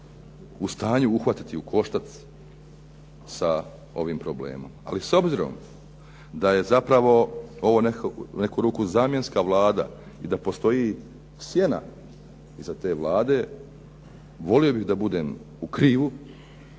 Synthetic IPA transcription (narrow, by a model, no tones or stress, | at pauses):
ust̪aːɲuuxʋat̪i̥t̪iukʰo̞ʃt̪at̪s | sa | o̞̰ʋiːmpɾo̞blḛːmo̞̰ma̰liso̞bziɾo̞̰m | d̪aje̞zapɾaʋo̞o̞ʋo̞nekne̞kuːɾuːkuzaːmje̞nskaʋlˠaːd̪a̰ | id̪apo̞st̪o̞ji | sje̞na̰ | izat̪e̞ːʋlˠaːd̪e̞ | ʋo̞lio̞biɣd̪abud̪e̞ːm | ukɾiːʋu